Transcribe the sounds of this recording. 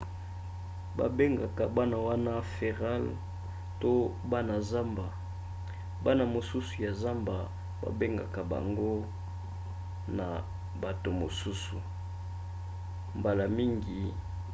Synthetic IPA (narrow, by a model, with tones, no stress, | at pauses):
ba̰˨be˦ŋɡa˨ka˨ba˦na˨wa˦na˦fe˨ʁa˦l | to˦ | ba˦na˨za˦mba˨ | ba˦na˨mo˨su˦su˨ja˨za˦mba˨ | ba̰˨be˦ŋɡa̰˨ka˨ba̰˨ŋɡo˦ | na̰˨ | ba˨to˨mo˨su˦su˨ | mba˨la˨mi˦ŋɡi˨